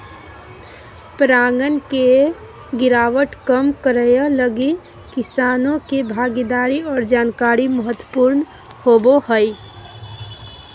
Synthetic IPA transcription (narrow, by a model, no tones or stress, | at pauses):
pɾaŋɡənke | ɡɪɾaʋəʈkəmkəɾəjələɡi | kisanõkebʱaɡid̪aɾiɔːɾd͡ʒaːnkaɾiməɦət̪ːwəpuɾn | hobohəj